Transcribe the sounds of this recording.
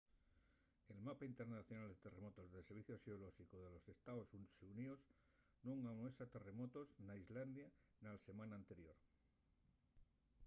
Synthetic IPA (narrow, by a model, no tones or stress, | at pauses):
e̞lmapaint̪eɾnaθjonald̪et̪e̞re̞mot̪o̞zðeseɾβiθjoseoloʃikoðe̞lo̞se̞st̪aosusunios | nũŋanwesat̪e̞re̞mo̞t̪o̞snaizland̪janalse̞mãnaːnt̪e̞ɾjo̞ɾ